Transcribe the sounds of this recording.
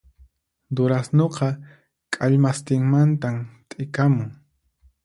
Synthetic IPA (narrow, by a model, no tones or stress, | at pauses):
d̪ʊɾasnoqɑ | kʼaʎmast̪ɪŋmant̪amt̪ʼɪkamʊŋ